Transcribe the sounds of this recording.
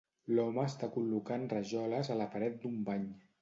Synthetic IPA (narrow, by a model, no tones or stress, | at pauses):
lɔməːst̪akulukanrəʒɔləzələpəɾɛt̪̚d̪umbaɲ